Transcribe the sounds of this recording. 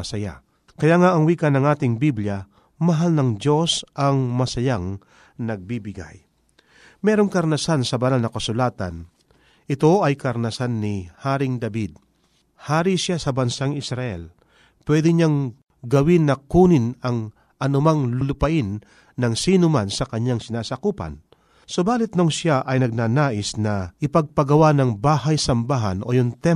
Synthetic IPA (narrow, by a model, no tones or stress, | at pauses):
ɐsɐja̰ | kɐjaʔŋaʔɐŋwiːkɐnɐŋaːt̪ɪŋbibljɐ | mɐɦalnɐŋd͡ʒo̞sʔɐŋmɐsɐjaŋ | nɐɡ̚bibɪɡa̰j | mɛːɾoŋkɐɾnɐsansɐbɐnalnɐkɐsʊlaːt̪ɐ̰n | ʔɪt̪o̞ʔɐjkɐɾnɐsanːɪhaːɾɪŋd̪ɐbid̪̚ | haːɾisjasɐbɐnsaŋɪsɾɐʔɛ̰l | pwɛːd̪ɪɲaŋ | ɡɐwɪnːɐkuːnɪnɐŋ | ʔɐnʊmaŋlʊlʊpɐʔɪnː | ɐŋsiːnʊmansɐkɐɲːaŋsɪnaːsakuːpɐ̰n | sobaːlɪt̪̚noŋsjaʔɐjnɐɡ̚naːnaːʔɪsnɐʔɪpɐɡ̚pɐɡɐwanɐŋbaːhɐjsɐmbaɦɐ̰nʔo̰jʊŋt̪ɛ